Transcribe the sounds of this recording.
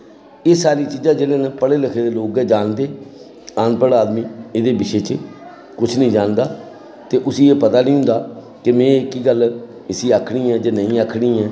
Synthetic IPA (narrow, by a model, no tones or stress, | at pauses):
eːsaːɾiːt͡ʃiːd͡ʒãːd͡ʒeːleːnəpəɽeːləkʰeːd̪eːloːkɛːd͡ʒaːnd̪eː | ãːnpəɽaːd̪miːɪd̪eːbɪʃeːt͡ʃ | kʊt͡ʃʰnəĩːd͡ʒaːnd̪aː | t̪eːʔʊsiːeːpət̪aːnĩːʊ̃nd̪aː | kɪmɛ̃ːɪkiɡəl | ɪsiːaːkʰɽiːɛːd͡ʒaːnəĩːaːkʰɽĩːɛː